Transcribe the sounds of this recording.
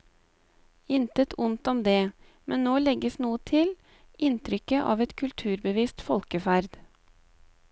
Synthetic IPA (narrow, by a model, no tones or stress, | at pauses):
ɪnt̪ət̪ʰʊnt̪ɔmd̪eː | mʔɛnnːoːlɛɡəsnuːət̪ʰɪl | ʔɪnt̪ʰɾʏkəʔɑ̰ːʋɛt̪kʰʉlt̪ʰʉːɾbəʋiːst̪fɔlkəfæɾd̪̥